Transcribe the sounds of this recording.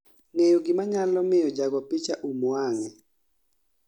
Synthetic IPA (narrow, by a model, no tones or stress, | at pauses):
ŋejoɡɪmaɲalɔmɪjɔd͡ʒaɡɔpɪt͡ʃaʔumwaŋɛ